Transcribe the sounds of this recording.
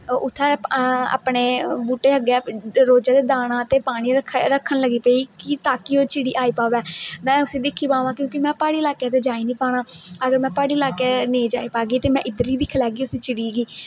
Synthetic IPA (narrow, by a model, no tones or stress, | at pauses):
ʊt̪ʰːɛːa̰ːpɳeːbuːʈeːəɡeɛːɾoːd͡ʒaːd̪eːd̪aːnãːt̪eːpaːɽ̃iːɾəkʰɾəkʰːənləɡiːpəiːkit̪aːkioːt͡ʃʰɪɽiːʔaːiːpaːʋɛːmɛ̃ːʊsiːd̪ɪkʰːiːpãːʋãːkjõːkɪmɛ̃ːpaːɽiːlaːkeːt̪̬eːd͡ʒaːiːniːpaːɽãːəɡəɾmɛ̃ːpaːɽiːlaːkeːneːd͡ʒaːiːpaːɡiːt̪eːmɛ̃ʔɪd̪əɾiːd̪ɪkʰːlɛːɡiːʊsiːt͡ʃʰɪɽiːɡiː